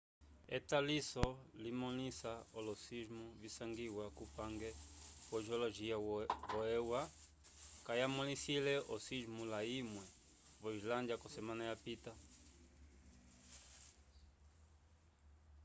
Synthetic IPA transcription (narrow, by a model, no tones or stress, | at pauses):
ḛtalisɔlimɔnisaolɔsiʒmuvisaŋɡiwakupaŋɡɛβɔʒoloʒiavɔɛwa | kajamolisilɛʔɔsiʒmulaimwɛ | vɔizlandjakɔsɛmanajapita